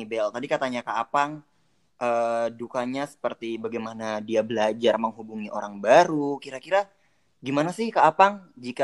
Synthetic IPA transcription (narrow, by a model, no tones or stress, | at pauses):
ibɛlt̪adikat̪aɲakaːpaŋ | ʔəːdukaɲasə̥pərt̪ibaɡajmanadiabəlad͡ʒarməŋɦubuŋiʔoɾaŋbaɾukiɾakiɾa | ɡimanasɪhkaːpaŋd͡ʒika